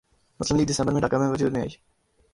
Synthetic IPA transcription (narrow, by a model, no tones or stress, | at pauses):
mʊsləmliːɡ̚d̪ɪsɛ̃mbəɾmẽɖakamẽʋəd͡ʒuːd̪mẽːaːiː